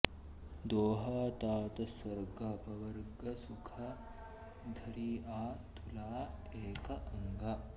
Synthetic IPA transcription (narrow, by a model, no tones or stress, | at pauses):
d̪oːɦaːt̪aːt̪ɐsʋɐɾɡɐːpɐʋɐɾɡɐsukʰɐ | d̪ʱɐɾiːʔaːt̪ʰulaːeːkɐʔɐŋɡɐ